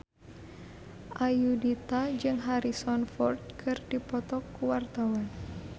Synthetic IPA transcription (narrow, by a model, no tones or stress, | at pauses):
ʔajudit̪ad͡ʒɨŋɦaɾisɔnfɔrd̪̚kʰɨrdipɔt̪ɔkuwart̪awan